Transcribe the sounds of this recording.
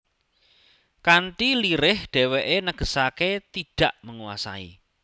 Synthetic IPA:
kaɳʈiliɾɪhɖ̥ɛ̤weʔenəɡ̥ə̤saket̪iɖ̥a̤ʔməŋuwa̰sa̰ḭ

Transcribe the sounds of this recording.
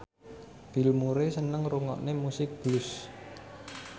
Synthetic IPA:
b̥ilmuɾesənəŋɾuŋɔ̰ʔnemusɪk̚b̥lus

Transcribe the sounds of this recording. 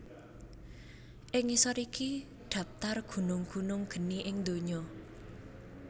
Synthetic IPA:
ʔɪŋisɔɾiki | ɖ̪̥ä̤p̚t̪arɡ̥ṳnʊŋɡ̥ṳnʊŋɡ̥ə̤niʔɪŋd̪o̤ɲɔ

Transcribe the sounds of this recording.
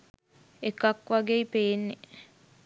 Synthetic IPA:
ekɐkʋaɡeipeːnːe

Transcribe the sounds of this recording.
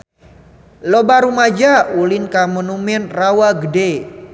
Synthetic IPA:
lobaɾumad͡ʒaulɪnkamonumɛnrawaɡəde

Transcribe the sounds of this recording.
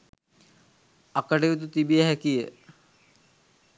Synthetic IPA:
ɐkəɖeit̪̬ut̪ibijəɦɛkijə

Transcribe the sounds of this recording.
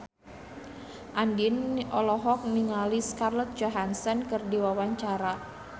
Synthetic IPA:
ʔandinɔlɔɦɔk̚niŋaliskarlɔt̪̚d͡ʒoɦansɔnkɨrdiwawaɲt͡ʃaɾa

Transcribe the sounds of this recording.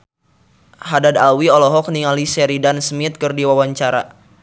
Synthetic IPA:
hadadalwiɔlɔɦɔk̚niŋalisɛɾidansmit̪̚kɨrdiwawaɲt͡ʃaɾa̰

